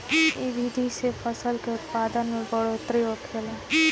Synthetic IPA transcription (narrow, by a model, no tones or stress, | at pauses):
iʋid̪ʱisepʰəsəlkeʊt̪paːd̪ənmẽbəɽot̪ɾioːtʰkele